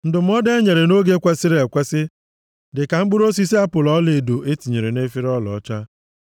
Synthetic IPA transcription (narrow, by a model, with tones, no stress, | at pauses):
n̩˦˨dʊ˨m̩˦ɔ˦de˦ɲe˨ɾe˨no˦ɡe˦kʷe˦si˦ɾe˨kʷe˦sɪ˦ | dɪ˨ka˨ŋ͡m̩˦ɡ͡bʊ˦ɾo˦s̬i˦si˦a˦pʊ˨lɔ˦le˨do˨ʔe˦ti˨ɲe˨ɾe˨ne˦fi˦ɾɔ˦lɔ̰˨˦t͡ʃa˦